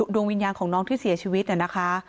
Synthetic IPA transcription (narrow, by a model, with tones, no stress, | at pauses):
u˨˩du˧ŋwi˧njaː˧nkʰɔː˩˦ŋnɔː˦˥ŋt̪ʰiː˥˩si˨˩˦ɐt͡ɕʰiː˧wi˦˥t̪̚ʔa˨˩na˦˥kʰa˦˥